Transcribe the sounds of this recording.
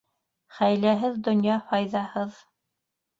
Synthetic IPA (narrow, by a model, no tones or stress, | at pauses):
χæjlæɦɘðd̪ŏnjɑfɑjðɑhɤð